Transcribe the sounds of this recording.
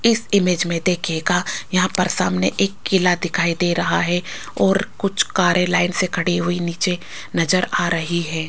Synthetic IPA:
ɪsɪmeːd͡ʒmẽd̪eːkʰeːɡajɐɦãpɐɾsaːmneʔeːkːɪlad̪ɪkʰaːid̪eːɾɐɦaɦɛ | ɔːɾkʊt͡ʃʰkaːɾelaːɪnsekʰɐɽiɦʊiniːt͡ʃe | nɐzəɾaːɾɐɦiɦɛː

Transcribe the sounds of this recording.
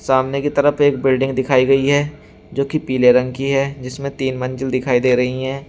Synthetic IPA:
saːmnekit̪ɐɾəpʰeːk̚bɪlɖɪ̃ŋɡd̪ɪkʰaːiɡɐiɦɛː | d͡ʒoːkipiːleɾɐ̃ŋɡkiɦɛd͡ʒɪsmẽt̪iːnmɐ̃ɲd͡ʒəld̪ɪkʰaːid̪eːɾɐɦiɦɛ̃ː

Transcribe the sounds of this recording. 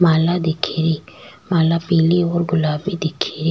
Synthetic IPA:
maːlaːd̪ekʰiɾiː | maːlapiːlioːɾɡʊlaːbiːd̪ekʰiɾi

